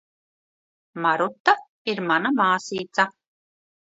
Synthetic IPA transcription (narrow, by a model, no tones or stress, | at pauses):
maɾut̪ːa | iɾmanamaːsiːt̪sa